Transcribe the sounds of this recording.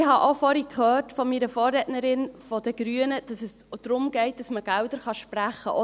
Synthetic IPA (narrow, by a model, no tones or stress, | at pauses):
ɪhɑʔofɔɾikhøːɾtfɔmiːɾəfɔːrːɛtnəɾɪnfɔd̥əɡ̥ɾyənəd̥ɑsɛs | d̥ɾʊmɡɛɪt̚d̥ɑsməɡ̥ældəɾχɑʃpræχːə̰ʔo